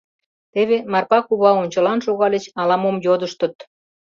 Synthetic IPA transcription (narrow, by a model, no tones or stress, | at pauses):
t̪eβemɑrpɑkuβɑonʲt͡ɕə̆lɑnʃoɣɑlet͡ɕɑlɑmomjod̪əʃt̪ə̆t̪̚